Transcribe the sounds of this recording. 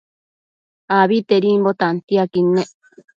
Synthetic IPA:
aβit̪eɾimbot̪ant̪iakinːe

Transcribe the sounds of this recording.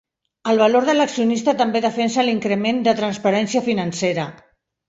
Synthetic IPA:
əlˠβ̞aloɾðələksiunist̪ət̪əmbeðəfɛnsəliŋkɾəmend̪ət̪ɾənspəɾɛnsiəfinənseɾə

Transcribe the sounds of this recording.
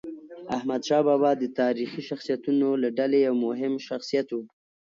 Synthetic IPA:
ahmad̪ʃɑbɑbɑd̪ət̪ɑɾixiʃaxsijat̪unolaɖalejawmʊɦɪmʃaxsijat̪wu

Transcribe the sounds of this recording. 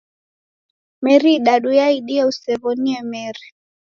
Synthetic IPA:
mɛɾiɗaɗujaiɗiɛusɛβɔniɛmɛɾi

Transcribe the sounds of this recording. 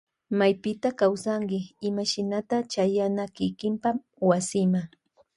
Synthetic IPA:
majpɪt̪akawsaŋkɪɪmaʃɪnat̪at͡ʃajanakɪkɪmpam | wasɪma

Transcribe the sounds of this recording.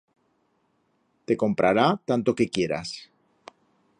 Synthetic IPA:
t̪e̞ko̞mpɾʔaɾat̪ant̪o̞ke̞kje̞ɾa̰s

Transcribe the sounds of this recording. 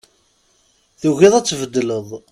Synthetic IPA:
θuʝiðˤæt͡sːvəd̪ːləðˤ

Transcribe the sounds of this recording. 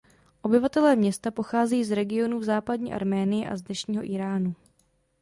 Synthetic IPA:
ʔo̞bɪvat̪ɛlɛːmɲɛst̪apo̞xaːzɛjiːzɾɛɡɪo̞nuːvzaːpadɲḭːʔa̰ɾmɛːnɪjɪʔa̰zdnɛʃɲiːɦo̞ʔiːɾaːnu

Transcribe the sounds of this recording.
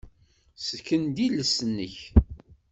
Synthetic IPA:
səkːənd̪iləsənːə̰ç

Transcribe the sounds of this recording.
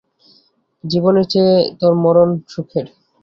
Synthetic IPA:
d͡ʑibonet͡ɕet̪oɾmɔɾonʃukʰeɾ

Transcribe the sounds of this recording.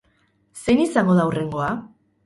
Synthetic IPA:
se̞nisaŋɡo̞ðaure̞ŋɡo̞a

